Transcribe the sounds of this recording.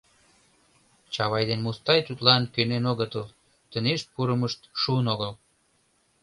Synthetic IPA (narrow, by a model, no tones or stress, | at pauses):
t͡ɕɑβɑjd̪enmust̪ɑjt̪ut̪lɑnkønenoɣət̪əl | t̪əneʃpuɾəməʃt̪ʃuənoɣəl